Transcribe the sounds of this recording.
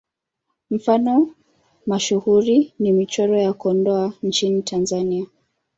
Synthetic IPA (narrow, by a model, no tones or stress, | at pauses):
m̩fanɔ | maʃuhuɾinimit͡ʃɔɾɔjakɔndɔant͡ʃinitʰanzania